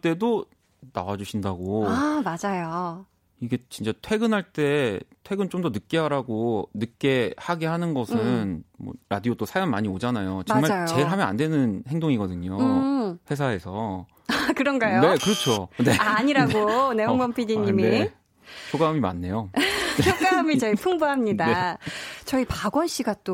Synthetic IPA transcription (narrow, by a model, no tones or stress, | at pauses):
t͈e̞do | nawad͡ʑuɕʰindaɡoamad͡ʑajo | iɡe̞t͡ɕint͡ɕ͈atʰwe̞ɡɯnɦaɭt͈e̞tʰwe̞ɡɯnt͡ɕomdʌnɯk̚k͈eɦaɾaɡonɯk͈e̞haɡe̞hanɯnɡʌsʰɯnmʌ̰ɾadiot͈osʰajʌnmaɲiod͡ʑanajot͡ɕʌŋmaajot͡ɕe̞ɯɭɦamjʌna̰ndwe̞nɯnheŋdoŋiɡʌdɯɲoɯɸwe̞s̬ʰae̞sʰʌ | akɯɾʌnɡajoe̞kɯɾʌt͡ɕʰone̞aɲiɾaɡoneoŋbʌmpʰidiɲːimie | pʰoɡamima̰nːe̞jook͈amit͡ɕʌipʰuŋbuɦamɲidaet͡ɕʌipaɡwʌnɕ͈iɡat͈o